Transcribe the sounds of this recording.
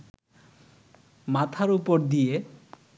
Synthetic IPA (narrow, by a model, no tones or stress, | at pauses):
mat̪ʰaɾupoɾd̪ije